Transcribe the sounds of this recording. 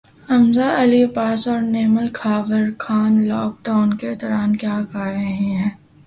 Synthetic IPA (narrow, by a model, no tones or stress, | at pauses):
ɐmzaʔɐlipaːsɔːɾneːməlkʰaːʋəɾkʰaːnlɔːk̚ɖaːʊnked̪ɔːɾaːnkjaːkaːɾɐɦĩɦɛ̃ː